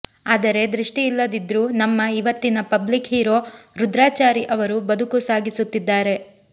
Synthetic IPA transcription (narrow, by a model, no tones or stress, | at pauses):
aːd̪ɐɾe̞d̪ɾiʂʈiːlːɐd̪id̪ɾuːnɐmːɐiʋɐt̪ːinɐpɐblikhiːɾo̞ːɾud̪ɾaːt͡ʃaːɾiʔɐʋɐɾubɐd̪ʱukusaːɡisut̪ːid̪ːaːɾe̞